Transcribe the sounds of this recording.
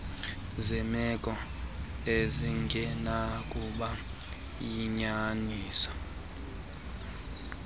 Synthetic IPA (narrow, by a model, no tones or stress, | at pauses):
zɛmɛkʼɔ | eziŋɡʱɛnak̬ʼuɓa | jiɲaniːsɔ̥